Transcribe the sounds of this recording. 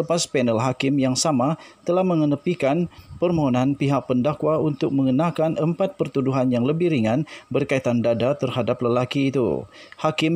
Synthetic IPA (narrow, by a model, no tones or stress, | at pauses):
əpaspɛnəlɦakɪmjaŋsamat̪əlahməŋənəpikanpərmoɦonanpiɦak̚pəndakwaunt̪ʊk̚məŋənakanəmpat̪̚pərt̪uduɦanjaŋləbɪhɾiŋanbərkaet̪andadat̪ərhadapləlakiːt̪ṵhakɪm